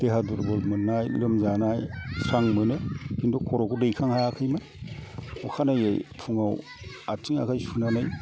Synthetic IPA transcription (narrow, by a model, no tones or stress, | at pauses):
d̥eɦaduɾbɔlmɯnːajlɯmzanajsaŋmɯnɯkindɔkʰɔɾɔkudejkʰaŋhajakʰɯjmɯn | ɔkʰanajḛjpʰuŋaw | atiŋa̰kʰajsunanɯj